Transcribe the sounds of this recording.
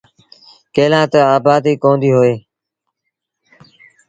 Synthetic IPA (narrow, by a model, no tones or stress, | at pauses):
keːlãːt̪əaːbaːd̪iːkõːnd̪iːɦoːeː